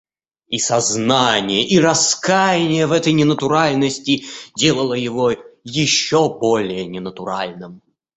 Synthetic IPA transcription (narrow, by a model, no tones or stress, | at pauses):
isɐznanʲɪjəʔiɾɐskajɪnʲɪjəvɛt̪əjnʲɪnət̪ʊɾalʲnəsʲtʲɪdʲe̞lˠəlˠəjɪvojɪɕːobolʲɪjənʲɪnət̪ʊɾalʲnɨm